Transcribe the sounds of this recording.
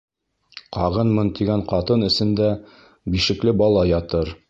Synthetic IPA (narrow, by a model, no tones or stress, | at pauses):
qɑʁɤnmɤnt̪iɡæɴqɑt̪ɤnɘ̆sɘ̆nd̪æ | biʃɘ̆klɘbɒlˠɑjɒt̪ɤɾ